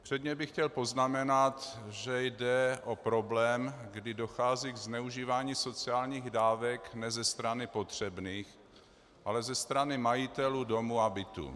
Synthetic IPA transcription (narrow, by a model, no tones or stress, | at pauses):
pr̥ɛd̪ɲɛbɪxcɛlpo̞znamɛnat̪ʒɛjdɛʔo̞pɾo̞blɛːmɡdɪdo̞xaːziːɡznɛuʒiːvaːɲiːso̞t͡sɪaːlɲiːɣdaːvɛknɛzɛst̪ɾanɪpo̞t̪r̝̥ɛbniːx | ʔalɛzɛst̪ɾanɪmajɪt̪ɛluːdo̞muabɪt̪ṵ